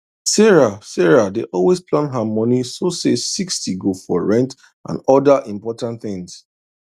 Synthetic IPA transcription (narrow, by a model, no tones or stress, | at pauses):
sɛɹasɛɹadeʔɔlwesplãnɦamɔnisosesikstiɡofɔɹɛ̃nt | ʔã̰nɔdaʔĩmpɔtãntθɪ̃ŋs